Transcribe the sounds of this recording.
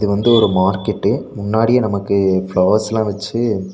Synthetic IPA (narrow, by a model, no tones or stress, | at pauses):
ɪðɯʋɐnd̪ɯɔɾɯmaːɾkɛʈːɯmʊnːaːɽijɐnɐmɐkːɯfɭoːɐsɛlãːʋɛt͡ʃːɯ